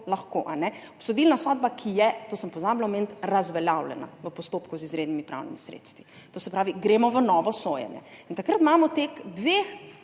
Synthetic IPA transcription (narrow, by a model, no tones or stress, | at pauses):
laxkoʔanɛɔpsɔd̪ilnasɔd̪bakʰijɛt̪oːsəmpɔzaːblaɔmeːnt̪ɾazʋɛljawlɛ̰na̰ʋəpɔst̪oːpkuzizɾeːd̪nimipɾa̰wnimisɾḛt̪st̪ʋi | t̪oːsɛpɾaːʋiɡɾeːmɔʋənɔːʋɔsojɛ̰njɛ̰int̪akɾət̪maːmɔt̪eːxd̪ʋex